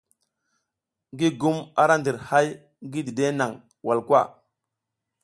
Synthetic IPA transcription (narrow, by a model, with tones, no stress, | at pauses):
ŋɡi˦ɡu˦ma˦ɾa˦ndi˨ɾha˦j | ɡi˦di˨de˦na˨ŋ | wa˨lkwa̰˦˨